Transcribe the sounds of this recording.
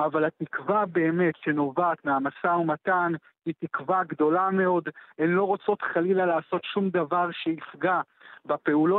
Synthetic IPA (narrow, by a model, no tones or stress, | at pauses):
avalhatikvabe̞ːme̞tʃe̞no̞vaːt̪meamasaumat̪an | itikvaɡd̪o̞lame̞o̞denlo̞ʁot͡so̞t̪χalilalaːso̞tʃumd̪avaʁʃeifɡa | bape̞ulo